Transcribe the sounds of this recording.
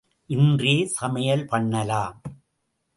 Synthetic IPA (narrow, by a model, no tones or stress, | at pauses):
ʔɪndreːsɐmɐjɐlpɐɳːɐlaːm